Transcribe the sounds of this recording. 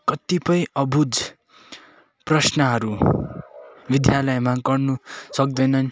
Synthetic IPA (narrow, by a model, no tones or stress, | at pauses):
kʌt̪ipʌjʌbud͡z | prʌsnʌɦʌɾu | bid̪jalʌjmaɡʌrnusʌk̚d̪ʌnʌn